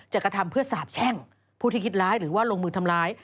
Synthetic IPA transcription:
t͡ɕaː˨˩kɾa˧t̪ʰa˧mpʰɯ˥˩ɐsaː˨˩˦p̚t͡ɕʰɛ˥˩ŋ | pʰuː˥˩t̪iː˥˩kʰi˦˥t̪̚ɾaː˦˥jɾɯː˩˦waː˥˩lo˧ŋmɯː˧t̪ʰa˧mlaː˦˥j

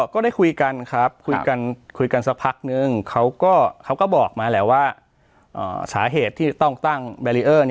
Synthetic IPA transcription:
kɔː˥˩daː˥˩jkʰu˧jka˧nkʰɾa˦˥p̚kʰu˧jka˧nkʰu˧jka˧nsa˦˥k̚pʰa˦˥k̚nɯ˧ŋkʰa˦˥wkɔː˥˩kʰa˦˥wkɔː˥˩bɔː˨˩k̚maː˧lɛː˦˧˩waː˥˩ | ʔɤ̰ː˨˩saː˩˦ɦeː˨˩t̪ʰːiː˥˩˧t̪ɔ˥˩ŋt̪a˥˩ŋbɛː˧liː˧ʔɤː˥˩n˧

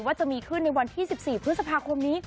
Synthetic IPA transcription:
waː˥˩t͡ɕa˨˩miː˧kʰɯ˥˩nːa˧jwa˧nt̪ʰiː˥˩si˨˩p̚siː˨˩pʰɯ˦˥t̪̚sa˧pʰaː˧kʰo˧mniː˦˥

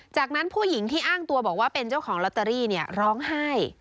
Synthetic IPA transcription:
t͡ɕaː˨˩k̚na˦˥npʰuː˥˩ji˩˦ŋt̪ʰiː˥˩ʔaː˥˩ŋt̪u˧ɐbɔː˨˩k̚waː˥˩pe˧nt͡ɕa˥˩wkʰɔː˩˦ŋlɔ˦˥t̪ːa˧ɾiː˥˩ni˥˩ɐɾɔː˦˥ŋha˥˩j

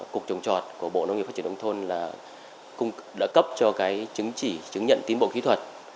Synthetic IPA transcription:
ku˨˩ək̚t͡ɕə˨˩wŋ͡mt͡ɕɔ˨˩t̚ku˧˩əɓo̰˧˨no˧˦ŋi˨˩faː˦t͡ɕi˧˩˨ŋ͡mt̪ʰo˧nlaː˨˩ | kʊ˧ŋ͡mɗa̰ː˧˥kə˦˥p̚t͡ɕɔ˧kaː˨˦jt͡ɕɨ˨˦ŋt͡ɕi˧˩t͡ɕɨ˨˦ŋɲə̰˧˨nt̪i˨˦ənɓo̰˧˨ki˨˦t̪ʰwə˨˩t̚

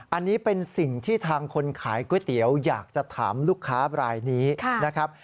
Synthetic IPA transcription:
ʔa˧nːiː˦˥pe˧nsi˨˩ŋt̪ʰiː˥˩t̪ʰaː˧ŋkʰo˧nkʰaː˩˦jku˥˩˦t̪i˩˦əwjaː˨˩k̚t͡ɕa˨˩t̪ʰaː˩˦mluː˥˩kʰːaː˦˥ɾaː˧jniː˦˥˧na˦˥kʰa˦˥p̚

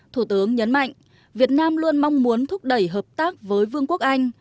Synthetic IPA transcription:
t̪ʰu˧˩t̪ɨ˨˦əŋɲə˨˦nma̰˧˨jŋ̟ | vi˨˩ət̚naː˧mlu˧ənmɔ˧wŋ͡mmu˨˦ənt̪ʰʊ˦˥k͡p̚ɗə˧˩jɦəː˨˩p̚t̪aː˦˥k̚vəː˨˦jvɨ˧əŋku˦˥ək̚ʔa˧jŋ̟

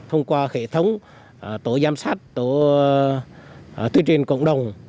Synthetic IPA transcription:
t̪ʰə˧wŋ͡mkwaː˧hḛ˧˩˨t̪ʰə˨˦wŋ͡m | t̪o˨˦zaː˨˧˦msaː˦˥t̚t̪o˨˦ | t̪wi˧˦t͡ɕï˨˩ŋ̟kə̰˧˨wŋ͡mɗə˨˩wŋ͡m

